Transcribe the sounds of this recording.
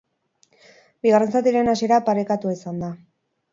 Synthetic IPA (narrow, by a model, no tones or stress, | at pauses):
biɣare̞nst͡sat̪iɾe̞nas̬ie̞ɾapaɾekat̪uisand̪a